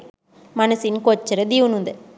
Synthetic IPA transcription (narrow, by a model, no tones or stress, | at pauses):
mɐnɐsinkot͡ʃːɐɾɐd̪iʋunud̪ɐ